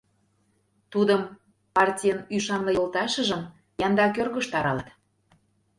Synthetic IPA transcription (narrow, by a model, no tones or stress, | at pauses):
t̪ud̪əm | pɑrtʲijənyʃɑnlɤjolt̪ɑʃəʒə̆m | jɑnd̪ɑkørɣə̆ʃt̪ɑɾɑlət̪